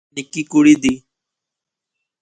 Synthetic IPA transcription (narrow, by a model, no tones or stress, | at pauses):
nɪkiːkuɽiːd̪iː